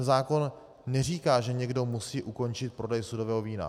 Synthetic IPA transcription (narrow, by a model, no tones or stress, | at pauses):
zaːko̞nː | ɛr̝iːkaːʒɛɲɛɡdo̞musiːʔuko̞nt͡ʃɪt̪̚pɾo̞dɛjsudovɛːɦoviːna̰